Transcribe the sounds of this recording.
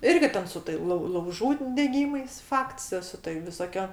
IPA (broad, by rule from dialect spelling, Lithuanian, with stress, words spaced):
ˈɪrʲɡʲɪ ˈtʲɛn sʊ tɐɪ lˠɐʊ lˠɐʊˈʒuː dʲɛˈɡʲiːmɐɪs ˈfɐkts joː sʊ tɐɪ ʋʲɪsoːˈkʲoː